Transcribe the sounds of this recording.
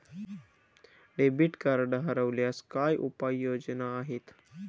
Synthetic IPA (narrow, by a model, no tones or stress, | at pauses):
ɖebiʈkɐɾɖəɦɐɾəʋljaskaːjʔupajːoːd͡ʒənaːɦit̪